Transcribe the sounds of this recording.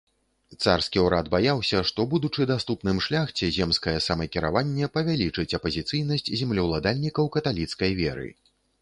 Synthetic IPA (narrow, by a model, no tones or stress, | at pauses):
t̪sarskʲiwɾad̪bajawsʲɐʂt̪ɔbud̪ut͡ʂɨd̪ast̪upn̪ɨmʂlʲaxt͡sʲɛzʲɛmskɐjɛsɐmɐkʲiɾa̰vanʲːɛpɐvʲalʲit͡ʂɨt͡sʲɐpɐzʲit̪sɨjnɐsʲt͡sʲzʲɛmlʲiwlˠad̪alʲnʲikɐwkɐt̪alʲit̪skɐjvʲɛ̰ɾɨ̰